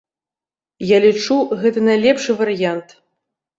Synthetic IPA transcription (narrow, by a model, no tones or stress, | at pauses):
jalʲit͡ʂuɣɛt̪ɨnɐjlʲɛpʂɨvɐɾjant̪